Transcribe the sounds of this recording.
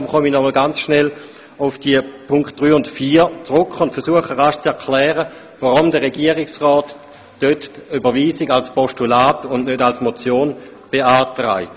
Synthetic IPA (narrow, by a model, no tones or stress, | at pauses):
mχɔminɔməlɡant͡sʃnɛl | ʊfd̥iəpʰʊŋkχt̚d̥ʁyːʊntfiːɐt͡sʁʊkχʊntfɛɐsuəχəʁaʃt͡sɛɐkʰlɛːʁə | vaʁʊmdəʁeɡiəʁɪksʁɔːtː | øtybəviːziɡalspɔʃtulaːtʊndnødalsmot͡sjoːn | b̥eaːtʁa̰ɪ